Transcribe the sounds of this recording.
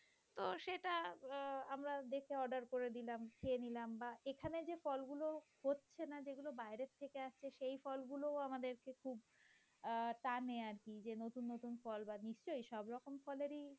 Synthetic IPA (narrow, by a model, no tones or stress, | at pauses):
t̪oʃeʈa | amɾad̪eɾkʰeɔɾɖaɾkoɾed̪ilamkʰeenilambaekʰaned͡ʑefɔlɡulohotːɕʰenad͡ʑeɡulobajɾet̪ʰːekeaʃt͡ɕʰeʃejfɔlɡulooamad̪eɾkekʰub | ʈaneaɾkid͡ʑenot̪unːot̪unfɔlbaniʃt͡ɕojʃɔbɾɔkomfɔleɾi